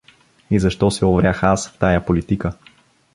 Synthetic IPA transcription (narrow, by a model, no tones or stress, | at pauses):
izɐʃt̪ɔsɛovɾʲaxasft̪ajapolit̪ikə